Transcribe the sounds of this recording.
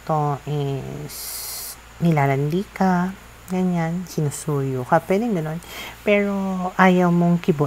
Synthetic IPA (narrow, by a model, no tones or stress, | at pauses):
t̪oʔɛs | nɪlaːɾɐnd̪ika | ɡɐɲansɪnusuːjokɐpwɛːd̪ɪŋɡɐno̞npɛɹo̞ʔaːjɐwmoŋkɪbo